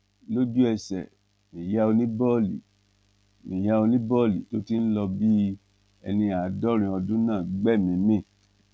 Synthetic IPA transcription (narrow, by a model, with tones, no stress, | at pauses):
lo˦d͡ʒu˦ɛ˧sɛ̰˨ | mĩ˨ja˦o˧nĩ˦bɔ˦˨lḭ˨ | mĩ˨ja˦o˧nĩ˦bɔ˦˨lḭ˨to˦ti˦n̩˦lɔ˧bi˦ | ɛ̰˧nĩ˧a˨dɔ˦ɾ̃ĩ˨ɔ˧dũ˦nãː˦˨ɡ͡bɛ˦˨mĩ˨mẽ˦˨